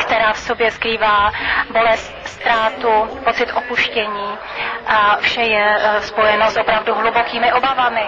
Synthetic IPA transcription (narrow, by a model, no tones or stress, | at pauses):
kt̪ɛɾaːfsobjɛskɾiːvaːbo̞lɛst̪st̪ɾaːt̪upo̞t͡sɪt̪ʔopuʃcɛɲiː | ʔafʃɛjɛspo̞jɛnosʔo̞pɾavduɦlubokiːmɪʔo̞bavamɪ